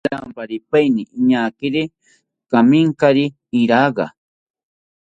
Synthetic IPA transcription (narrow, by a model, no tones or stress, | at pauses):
ampaɾipajniʔːɲaːkɪɾi | kamiŋkaɾi | iɾaːɢɑ̰